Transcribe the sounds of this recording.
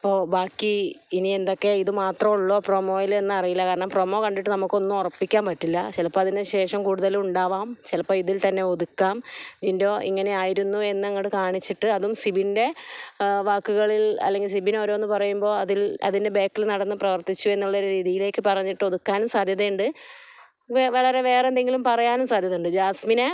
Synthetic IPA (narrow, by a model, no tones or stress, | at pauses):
ipːo̞ːbaːkːiinie̞nd̪o̞kːe̞iðɨmaːt̪rɐmuɭːo̞ːproːmo̞ːjilenːɨɐrijilːɐkaːɾɐɳɐmpro̞ːmo̞ːkɐɳɖiʈːɨnɐmukːɨo̞nːumorɐpːikʲːaːmpɐtːilːɐt͡ɕilɐpːoːɐðineɕe̞ːʂɐmkuːɽuðɐluɳɖaːʋaːmt͡ɕilɐpːoːiðilt̪ɐnːe̞o̞ðukːaːmd͡ʑindo̞ːʔiŋːɐne̞aːjiɾunːue̞nːɨɐŋːɐɽɨkaːɳit͡ɕːiʈːɨɐðumsibinde̞ | ʋaːkːuɣɐɭilɐ̰lːe̞ŋɡils̬ibino̞ːɾoːenːɨpɐrɐjumbo̞ːɐðilɐ̰ðinde̞be̞ːkːilnɐɽɐnːɨprɐʋɐrt̪it͡ɕːue̞nːuɭːɐoɾuɾiːðijile̞ːkːɨpɐrɐɲːiʈːɨo̞ðukːaːnumsaːd̪ʱjɐðɐjuɳɖɨ | ʋɐɭɐɾe̞ʋe̞ːrend̪eŋɡilumpɐrɐjaːnumsaːd̪ʱjɐðɐuɳɖɨd͡ʑaːsminɐ